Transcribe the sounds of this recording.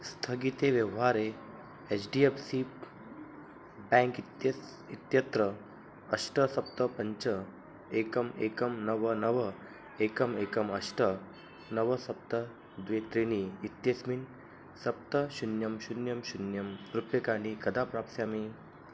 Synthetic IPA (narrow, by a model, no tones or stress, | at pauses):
st̪ʰəɡit̪eʋjɐʋɦaɾe | et͡ʃɖiepsi | bɛ̃ŋkit̪j | it̪jət̪ɾəː | ʂʈəsɐp̚t̪əpəɲt͡ɕə | ekəmekəmnəʋənəʋə | ekəmekəmɐʂʈə | nəʋəsɐp̚t̪ə | d̪ʋet̪ɾiniit̪jesmin | sɐp̚t̪əɕunjɐmɕunjəmɕunjɐmɾupekanikɐd̪apɾap̚sjami